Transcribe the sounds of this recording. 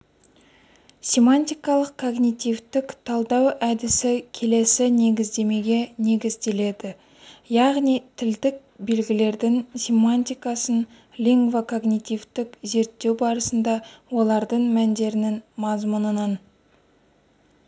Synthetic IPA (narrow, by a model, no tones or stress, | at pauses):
sʲe̞manʲt̪ʲijkɑlˠəqkʰo̞ɡnʲit̪ift̪ɪkt̪ʰɑlˠd̪ɑwʔæd̪ɪsɪkʲʰe̞le̞sɪne̞ɡʲɪzd̪e̞me̞ɡʲe̞ne̞ɡʲɪzd̪e̞le̞d̪ɪ | jɑʁnijt̪ʰɪld̪ɪk̚be̞lɡʲɪle̞ɾd̪ɪŋsʲe̞manʲt̪ʲijkɑsən | lʲiŋɡvokʰo̞ɡnʲit̪ivt̪ɪkze̞ɾt̪ːe̞wbɑɾəsənd̪ɑwo̞lˠɑɾd̪əɴmænd̪e̞ɾɪnɪŋmɑzmənənɑn